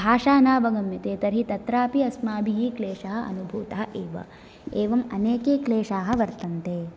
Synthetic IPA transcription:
bʱaːʃaːnaːʋɐɡɐmjɐt̪eːt̪ɐɾɦit̪ɐt̪ɾaːpiɐsmaːbʱiɦikleːʂɐɦɐ̆ɐ̰nubʱuːt̪ɐɦɐʔeːʋɐ̰ | eːʋɐmɐneːkeːkleːʃaːɦɐ̆ʋɐɾt̪ɐnt̪eː

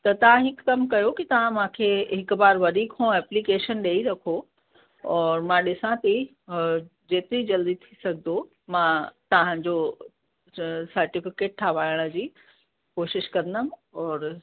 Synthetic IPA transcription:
t̪ɐt̪ɐʋ̤ãɦɪkːɐmkɐjokit̪ɐʋ̤ãmãkʰeɦɪkbaːɾʋɐɗikʰõɛːplikeːʃənɗeːiɾɐkʰo | ɔːɾmãɗɪsãt̪i | d͡ʑeːt̪ɪɾid͡ʑɐld̪it̪ʰisɐɡʱd̪o | mãt̪ɐʋ̤ãd͡ʑo | sɐɾʈɪfɪkeːʈ̚ʈ̪ʰaʋaːɪɽ̃ə̆d͡ʑiː | koːʃɪʃkɐ̃ɾd̪əmɔːɾ

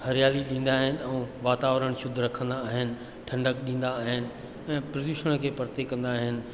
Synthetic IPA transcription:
hɐɾɪjaːliɗĩːn̆d̪aːɦɪnɪ̆ɛ̃ʋaːt̪aːʋɾəɽ̃ʃʊd̪ʱɾɐkʰə̃nd̪aːɦɪnɪ̆ | ʈʰɐ̃ɳɖək̚ɗĩːn̆d̪aːɦɪnɪ̆ | ɛ̃ːpɾɐd̪ʊʃəɽ̃kʰeːpɐɾt̪ekːɐ̃nd̪aːɦɪnɪ̆

